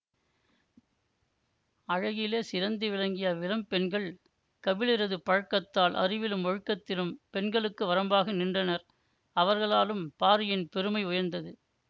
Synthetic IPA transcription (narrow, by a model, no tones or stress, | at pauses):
ɐɻɐɣɪleːsɪɾɐnd̪iʋɪlɐŋɡɪjɐʋɪlɐmpɛnɡɐɭ | kɐʋɪlɪɾɐðɯpɐɻɐkːɐt̪ːaːlʔɐ̰rɪʋɪlɯmʋɐɻɯkːɐt̪ːɪlɯmpɛnɡɐɭɯkːɯʋɐɾɐmbaːɣɐnɪndrɐnɐɾ | ɐʋɐɾɣɐɭaːlɯmpaːɾɪjɪnpɛɾɯmɐɪʊjɐɾnd̪ɐðɯ